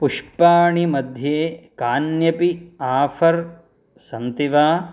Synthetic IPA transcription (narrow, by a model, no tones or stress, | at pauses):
puʂpaːɳimɐd̪ʱjeːkaːnjɐpiaːfɐɾ | sɐnt̪iʋaː